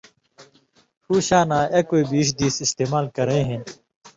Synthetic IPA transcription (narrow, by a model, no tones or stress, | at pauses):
huːɕaːnaːekoibiːʂ̬d̪iːsist̪eːmaːlkɐɾẽːɦẽn